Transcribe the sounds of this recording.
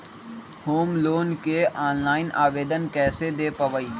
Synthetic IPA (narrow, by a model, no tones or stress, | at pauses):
hoːmloːnkeʔaːnlaːɪnaːʋeːd̪ənkɛːsed̪eːpəʋəiː